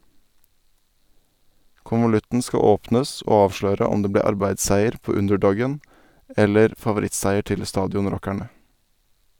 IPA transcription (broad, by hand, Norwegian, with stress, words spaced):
kʊnʋʊˈlʉtn̩ ˈskɑ ˈoːpnəs ˈoː ˈɑːʋʃløːɾə ˈʊm ˈdeː ˈbleː ˈɑɾbæɪsˌsæɪəɾ ˈpoː ˈʉndɛˌɖɔɡən ˈɛləɾ fɑʋʊˈɾɪtsæɪəɾ ˈtɪl ˈstɑːdɪʊnˌɾɔkæɳə